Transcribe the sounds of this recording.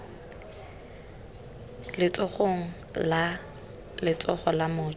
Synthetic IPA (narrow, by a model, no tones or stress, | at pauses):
lɪt͡sʼɔχoŋ̩ | la | lɪt͡sʼɔχɔlamʊː